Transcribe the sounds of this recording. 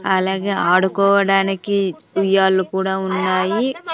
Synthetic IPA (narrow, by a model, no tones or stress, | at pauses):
ɐlaːɡe̞ːaːɽukɔːʋɐɽaːniki | ujaːlːukuːɽaːunːaːji